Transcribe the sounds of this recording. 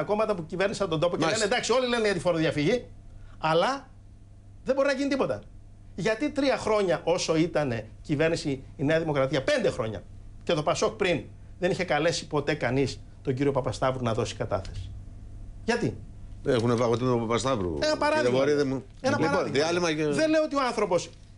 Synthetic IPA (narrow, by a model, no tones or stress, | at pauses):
ɐko̞mɐt̪ɐpucive̞ɾnisiɐpot̪od̪o̞poeenend̪ɐksio̞lile̞neʝɐt̪ifo̞ɾoðjɐfiʝi | ɐlɐ | ðeboɾinɐʝinit̪ipot̪ɐ | ʝɐt̪it̪ɾiɐxɾo̞ɲɐʔo̞so̞it̪ɐne̞cive̞ɾnisiːne̞ɐðimo̞kɾɐt̪iɐpe̞nd̪e̞xɾo̞ɲɐ̰ | ce̞t̪o̞pɐso̞kpɾin | ðe̞niçe̞kɐle̞si̥po̞t̪e̞kɐnis | t̪o̞ɲɟiɾio̞pɐpɐst̪ɐvɾunɐðo̞si̥kɐt̪ɐ̰θe̞si̥ | ʝɐt̪i | exunevɐɣot̪iopɐpɐst̪ɐvɾṵenɐpɐɾɐðɣboɾiðe | enɐlɐɾɐðiɣðiɐlimɐeðe̞leoot̪io̞ɐnθɾo̞po̞s